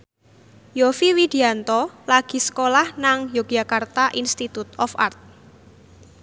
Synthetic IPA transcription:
jofiwid̪̥iant̪ɔlaɡ̥i̤sə̥kolahnaŋjoɡ̥jakart̪aʔinst̪it̪ut̪ɔfa̰rt̪̚

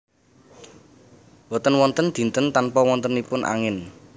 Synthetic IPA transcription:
wɔt̪ənwɔnt̪ənd̪̥i̤nt̪ənt̪anpɔwɔnt̪ənipʊnʔa̰ŋɪn

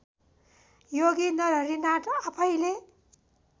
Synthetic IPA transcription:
joɡinʌɾʌɾinaʈoapʰʌjle

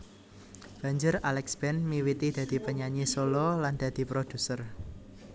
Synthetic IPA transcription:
b̥ä̤ɲd͡ʒʊɾalɛksb̥ɛnmiwit̪id̪̥ä̤d̪̥i̤pəɲaɲisolɔland̪̥ä̤d̪̥i̤pɾod̪̥ṳsər

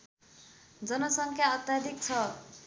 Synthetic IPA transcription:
d͡zʌnʌsʌŋkʰjaʌt̪jad̪ʱik̚t͡sʰʌ

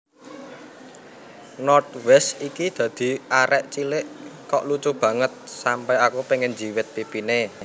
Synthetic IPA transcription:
nɔrt̪̚wɛst̪ikid̪̥ä̤d̪̥i̤aɾɛʔt͡ʃilɪʔkɔʔlut͡ʃub̥ä̤ŋət̪̚sampɛakupeŋɛnd͡ʒi̤wɪt̪̚pipine

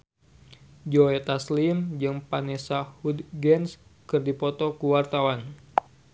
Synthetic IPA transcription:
d͡ʒoɛt̪aslimd͡ʒɨŋpanesahud̪ɡɛnskɨrdipɔt̪ɔkuwart̪awan

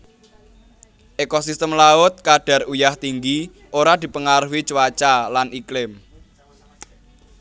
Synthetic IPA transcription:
ʔekɔsist̪əmlaʊt̪̚kaɖ̥ä̤rujaht̪iŋɡi | ʔoɾad̪̥i̤pəŋaɾuwit͡ʃəwat͡ʃalaniklɪm

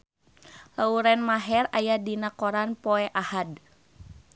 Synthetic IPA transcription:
lauɾɛnmaɦɛrajadinakɔɾanpɔɛʔahad

